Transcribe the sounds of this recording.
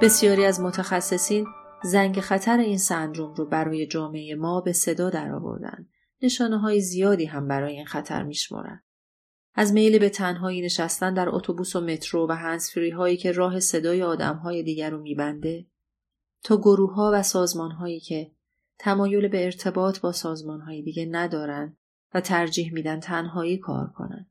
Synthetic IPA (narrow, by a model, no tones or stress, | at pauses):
b̥e̞sijɒːɾiːæzmo̞t̪ʰæxæsːe̞siːnzæŋɟexæt̪ʰæɾe̞iːnsænd̪ɾomɾobæɾɒːje̞d͡ʒɒːmeejemɒːbe̞se̞d̪ɒːd̪æɾɒ̰ːvo̰ɾd̪æ̰nd̪ | ne̞ʃɒːne̞ɦɒːjezijɒːd̪iːɦæmbæɾɒːje̞iːnxæt̪ʰæ̰ɾmiːʃmɒ̰ːɾæ̰nd̪̥ | ʔæzme̞jlibe̞t̪ʰænɦɒːiːne̞ʃæst̪ænd̪æɾo̰t̪ʰobuːsome̞t̪ʰɾovæɦænsfiɾiːɦɒːiːcʰe̞ɾɒːɦe̞se̞d̪ɒːjeɒːd̪æ̰mɦɒːje̞d̪iːɟæɾuːmiːbænd̪e̞ | t̪ʰɒːɡoɾuːɦɒːvæsɒːzmɒːnɦɒːjiːcʰe̞ | t̪ʰæmɒːjo̞lebe̞ːɾt̪ʰe̞bɒːt̪ʰbɒːsɒːzmɒːnɦɒːjed̪iːɟenæd̪ɒːɾænd̪ | væt̪ʰæɾd͡ʒiːhmiːd̪ænt̪ʰænɦɒːiːkʰɒ̰ːɾkʰo̞̰næ̰nd̪̥